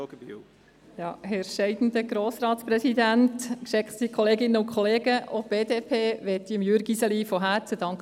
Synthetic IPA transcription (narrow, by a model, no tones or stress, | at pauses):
jɑːhɛɾʃɛɪd̥ən̩d̪əɡ̥ɾoːsɾɑːt̪sprɛsid̪æntkʃɛkχttikʰɔleːɡɪnːəʊnkʰχɔleːɡəʔob̥eːdeːpʰeːʋɛt̪ːiəmjøɾɡisəlifɔɦæːt͡səd̥ɑŋk